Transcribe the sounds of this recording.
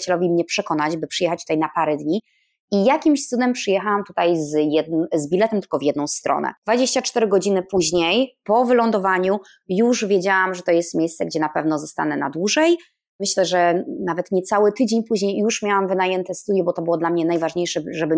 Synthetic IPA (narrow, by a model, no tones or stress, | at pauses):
t͡ɕɛlɔvʲimɲɛpʂɛkɔnat͡ɕbɘpʂɨjɛxat͡ɕt̪ut̪ajnapaɾɛd̪ɲi | ijakʲimɕsud̪ɛmpʂɨjɛxawamt̪u̥t̪ajzjɛd̪zbʲilɛt̪ɛmt̪ɘ̥lkɔvjɛd̪nɔ̃w̃st̪ɾɔ̰nɛ̰d̪̥vad͡ʑeɕt͡ɕat͡ʂt̪ɛɾɘɡɔd͡ʑinɘpuʑɲejpɔvɘlɔnd̪ɔvaɲu | juʐvʲjɛd͡ʑawamʐɛt̪ɔjɛst̪mʲjejst̪sɛɡd͡ʑɛnapɛvnɔzɔst̪a̰nɛna̰d̪wuʐɛj | mɘɕlɛʐɛnavɛt̪ɲɛt̪sawɘt̪ɘd͡ʑeɲpuʑɲejːuʂmʲjawamvɘnajɛnt̪ɛst̪ud̪jɛbɔt̪ɔbɨwɔd̪lamɲɛnajvaʐɲejʂɛʐɛbɘ